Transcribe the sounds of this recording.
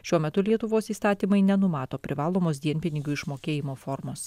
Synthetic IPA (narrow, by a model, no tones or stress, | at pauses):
ʃʲuɔmʲɛt̪ʊlʲiɛt̪ʊʋoːsiːst̪ɑːt̪ʲiːmɐɪnʲɛnʊmɑːt̪oːpʲɾʲɪʋɑːlˠoːmoːs̬d̪ʲiɛnʲpʲɪnʲɪɡʲʊɪʃmoːkʲeːjɪmoːfɔɾmoːs